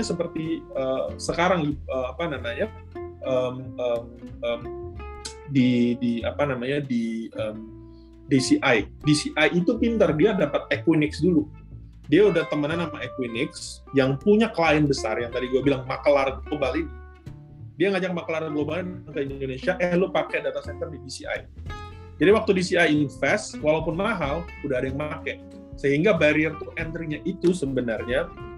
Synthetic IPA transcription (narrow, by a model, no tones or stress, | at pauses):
asəpərt̪iəsəkaɾaŋiəapanamaɲa | ʔəməməm | didia̰panamaɲadiʔəm | disiʔajdisiʔajit̪upint̪ərdiadapat̪̚ekwinɪksdulu | diaudaht̪əmənanːamaekwinɪks | jaŋpuɲaklaɪnbəsa̰rjaŋt̪adiɡuabilaŋmakəlarəɡlobalini | diajŋad͡ʒak̚makəlarɡlobaliniaŋkainddonesiaʔɛhlopakɛdat̪asɛnt̪ərdidisia̰j | d͡ʒadiwak̚t̪udisiajiŋɪnfɛswalaupʊnmaɦal | udaɦadajaŋmakɛ | səɦiŋɡabaɾiərt̪uʔɛnt̪ɾiɲaʔit̪usəbənarɲa